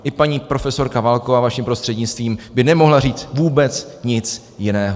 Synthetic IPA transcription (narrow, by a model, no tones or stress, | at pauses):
ʔɪpaɲiːpɾo̞fɛso̞ɾkavalkovaːvaʃimpɾo̞st̪r̥ɛdɲɪt͡st̪viːmbɪnɛmo̞ɦlariːt͡svuːbɛt͡sɲɪt͡s | jɪnɛːɦo